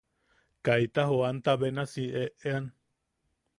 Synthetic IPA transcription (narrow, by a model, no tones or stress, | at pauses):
kajt̪aɦoant̪aβenasieʔean